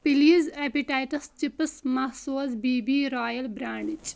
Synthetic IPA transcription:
piliːzepiʈaːjʈɐst͡ʃipəsmɐhsoːzbiːbiːɾaːjɐlbɾaːɳɪt͡ʃ

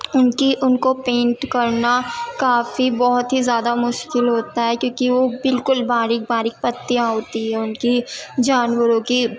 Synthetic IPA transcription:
ʊnkiʔʊnkopẽːɳʈkɐɾnakaːfibɔɦʊt̪ɦizjaːd̪amʊʃkɪlɦoːt̪aɦɛkjõːkiʋobɪlkʊlbaːɾɪk̚baːɾɪk̚pɐt̪ːijãɦoːt̪iɦɛʊnkid͡ʒaːnwəɾõki

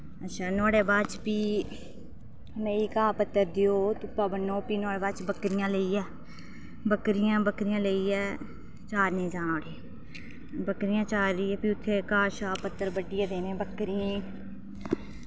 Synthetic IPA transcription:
ətːʃʰaːnʊaːɽeːbaːt͡ʃpiː | meːiːkaːpət̪ːəɾd̪ɪjoːt̪ʊpːaːbənːoːpiːnwaːɽeːbaːt͡ʃbəkɾɪjãːləiːɛː | bəkɾɪjãːbəkɾɪjãːləiːɛː | t͡ʃaːɾnẽːd͡ʒaːnoːɽeː | bəkɾɪjãːt͡ʃaːɾəiːɛːpiːʊt̪ʰːeːkaːʃaːpət̪ːəɾbəɖɪjẽːd̪eːnẽːbəkɾɪjẽː

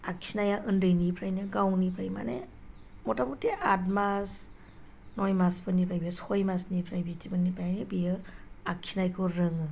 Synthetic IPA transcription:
akʰinajaʔɯndɯjnipʰɾajnɯɡawnipʰɾajma̰ne | mɔtamuteʔatmas | nojmasbɯnipʰajbiashɔjmasnipʰɾajbitʰibɯnipajnɯbijɯakʰːinajkʰɯɾɯŋɯ

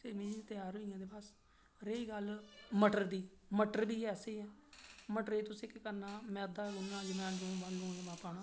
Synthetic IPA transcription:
seːmĩːt̪ɪjaːɾɦoijãːd̪eːbəs | ɾeːiːɡəlməʈəɾd̪iːməʈəɾbiːɛːseiːɛːməʈəɾeːt̪ʊ̃ːsɪkkəɾnaːmɛ̃ːəd̪ːaːɡʊnːãːd͡ʒɪmãːnd͡ʒõːbə̃õːɡaːmãːpaːnãː

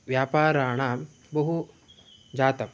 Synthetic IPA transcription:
ʋjaːpaːɾaːɳ̃aːm | bɐɦu | d͡ʒaːt̪ɐm

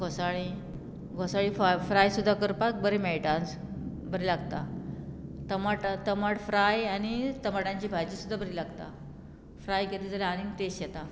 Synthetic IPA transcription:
ɡʱɔsaɭi | ɡʱɔsaɭiffɾajsud̪ʱːakəɾpak̚bəɾemɛɭʈans | bəɾelaɡt̪a | t̪əmaʈt̪əmaɽfɾajanit̪əmaʈãɲt͡ɕiːbʱajt͡ɕiːsud̪ʱːabəɾilaɡt̪a̰ | fɾajket̪id͡zəlaaɾiŋɡt̪esjɛt̪a

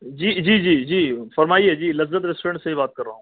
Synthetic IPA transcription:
d͡ʒiːd͡ʒiːd͡ʒiːd͡ʒiːfɐɾmaːied͡ʒiːlɐzət̪ɾesʈɾẽɳʈsebʱibaːt̪̚kɐɾːa̰ːɦũ

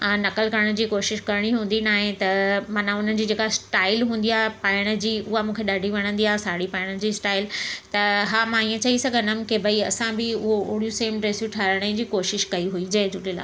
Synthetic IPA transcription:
ãːnɐkəlkɐɾəɽ̃əd͡ʑiːkoːʃɪʃkɐɾəɽ̃iɦũːnd̪inaːɦẽt̪ɐmãnãʊn̤ən̆d͡ʑiːd͡ʑeːkasʈaːɪlɦũːn̆d̪iaːɦepaːɪɽ̃ə̆d͡ʑiːʊɦamũːkʰeɗaːɖʱiʋɐɽ̃ə̃nd̪iaːɦsaːɽipaːɪɽ̃əd͡ʑiːsʈaːɪlt̪ɐɦaːmãiːẽt͡ɕɐisɐɡʱə̃nəm̆kebʱɐiɐ̰sãbɪʊɦoʊːɽijuseːmɖɾeːsjuʈʰaːɾəɽ̃ə̃d͡ʑiːkoːʃɪʃkɐiɦuid͡ʑɐed͡ʑʊʈila̰ː

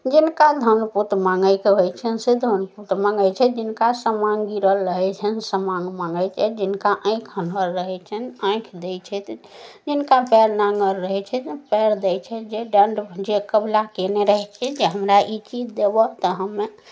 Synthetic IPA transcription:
d͡ʒinkad̪ʱənput̪maŋɡəjkeɦojt͡ʃʰɛnsed̪ʱənput̪maŋɡət͡ʃʰɛd͡ʒinkasəmaŋɡiɾəlːəɦɛt͡ʃʰɛnsəmãŋɡmaŋɡət͡ʃʰɛd͡ʒinkaʔə̃jkʰɦənəɾːəɦɛt͡ʃʰɛnə̃ĩkʰd̪ɛjt͡ʃʰɛt̪ | d͡ʒinkapɛɾnaŋɡəɾːəɦɛt͡ʃʰɛt̪pɛɾd̪ɛt͡ʃʰɛd͡ʒeɖəɳɖd͡ʒekəblakeneɾəɦɛt͡ʃʰɛd͡ʒeɦəmɾaʔit͡ʃid͡ʒd̪ebɔt̪əɦəmːe

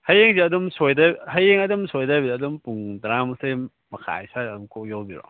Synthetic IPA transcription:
hajeŋziɐdɔmsojdahɐjeŋɐdɔmsojdajbidːdɔmpuŋdɾamsej | mɐkʰa̰jsaɐdɔmkʰojowbiɾɔ̰

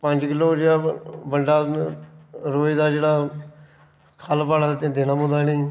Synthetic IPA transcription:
pə̃ɲd͡ʒkɪloːd͡ʒeːaːbəɳɖaː | ɾoːid̪aːd͡ʒeːɽaː | kʰaːlpaːɽaːt̪ẽd̪ɪnãːmʊ̃d̪aːnĩː

